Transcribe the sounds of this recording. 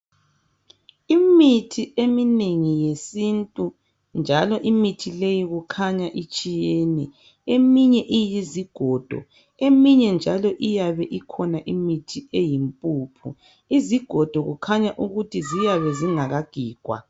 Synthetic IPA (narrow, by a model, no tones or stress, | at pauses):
imitʰiemineŋijesintʼu | nd͡ʒʱalɔʔimitʰilejiɣukʰaɲaʔit͡ʃʼijɛnɛ | emiɲɛʔijiziɡ̥ʱɔd̥ʱɔ̰ | emiɲɛnd͡ʒʱalɔʔijaβɛʔikʰɔnaʔimitʰiejimpʼuːpʰṵ | iziɡ̥ʱɔd̥ʱɔɣṵkʰaɲaʔuɣutizijaβɛziŋaɣaɡ̥ʱiːɡ̥ʱwa̰